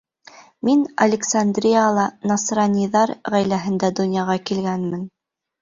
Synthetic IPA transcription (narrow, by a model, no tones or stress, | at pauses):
minɐ̰lʲɪksand̪rʲijalˠɑnɑsrɑnʲijðɑɾʁæjlæɦɘ̆nd̪æd̪ŏnjɑʁɑkilɡænmɘn